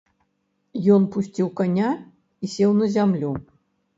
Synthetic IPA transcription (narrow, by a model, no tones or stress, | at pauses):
jɔnpusʲt͡sʲiwkanʲa | isʲewnəzʲamlʲu